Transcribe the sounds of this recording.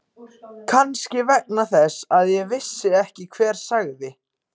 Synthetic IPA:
kʰanscɪvɛk̚naθɛsaðjɛvɪsːɪɛhcɪkʰvɛːɾ̥saɣðɪ

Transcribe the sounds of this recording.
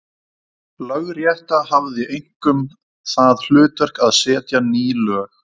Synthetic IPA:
lœɣɾjɛht̪ahavðɪʔejŋ̥kʏm | θaðl̥ʏːt̪œr̥kaðsɛːt̪janiːlœːx

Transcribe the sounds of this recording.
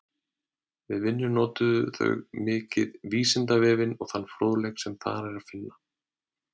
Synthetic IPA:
vɪðvɪnːʏnɔːt̪ʏðʏθœ̰ɣmɪːcɪðviːsɪnt̪avɛːvɪnɔɣθanːfɾoːlɛksɛmθa̰ɾɛɾaðfɪnːa

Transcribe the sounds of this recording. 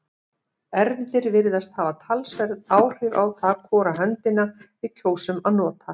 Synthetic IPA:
ɛɾnðɪɾvɪɾðast̪haːvat̪ʰalsvɛɾðaːwr̥ɪva̰wθakʰɔːɾaɦœnt̪ɪnavɪðcʰoːwsʏmaðnɔːt̪ʰa

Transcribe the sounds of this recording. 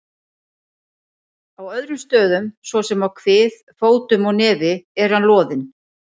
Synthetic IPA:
awœðɾʏmst̪œːðʏmsvɔsɛmawkʰvɪːð | foːwt̪ʏmɔɣnɛːvɪɛɾ̥hanlɔːðɪn

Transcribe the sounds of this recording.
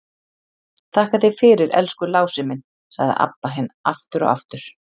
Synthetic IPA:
t̪ʰaːhkaθɪɣfɪːɾɪɾɛ̰lskʏlaːwsɪmɪn | sa̰ɣðɪ̰ʔa̰pːaɦɛna̰ft̪ʏɾɔ̰ɣa̰ft̪ʏɾ̥

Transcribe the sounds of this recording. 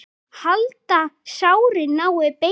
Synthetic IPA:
halt̪asawɾɪnawɛpe

